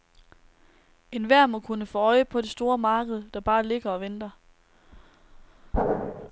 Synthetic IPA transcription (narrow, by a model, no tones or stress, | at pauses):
e̝nʋæɐ̰mɒ̽kʰunəfɔɒ̽ɪəpʰɒ̽d̥e̝sd̥o̝ːɐmɑ̈ːɡ̥əð̞̩ˠd̥ɑ̈b̥ɑ̈ːle̝ɡ̥ɐɒ̽ʋend̥ɐ